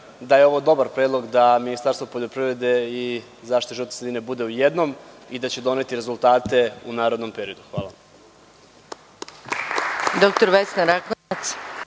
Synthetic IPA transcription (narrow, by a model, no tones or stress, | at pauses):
d̪ajeo̞ʋo̞d̪o̞baɾpɾeːd̪lˠo̞ɡd̪aminist̪aɾst̪ʋo̞po̞ʎo̞pɾiʋɾed̪e̞i | zaːʃtit̪oʒiot̪sed̪ine̞bud̪e̞ujed̪no̞m | id̪at͡ɕe̞d̪o̞ne̞t̪iɾe̞zulˠt̪aːt̪e̞unaːɾo̞d̪no̞mpe̞ɾijo̞d̪uxʋa̰ːlˠa | d̪ok̚t̪oɾʋesnaɾaknat̪s